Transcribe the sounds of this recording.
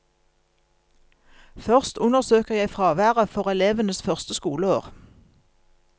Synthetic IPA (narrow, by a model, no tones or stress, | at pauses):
fœʁst̪ʊnəʁsøːkəʁjæɪfʁɑːʋæːʁəfɔʁɛleːʋənəsfœʁst̪əskuːləoːʁ